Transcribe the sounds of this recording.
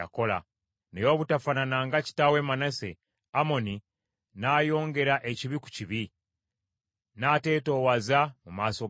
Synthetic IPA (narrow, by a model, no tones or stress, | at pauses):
a̰ko̞la̰ | nejo̞βutafananaŋɡaci̥tawe̞ːmanase̞̰ | amo̞ni | naːjo̞ːŋɡe̞ɾaʔeciβiku̥ciβi | nate̞ːto̞ːwazamumaːso̞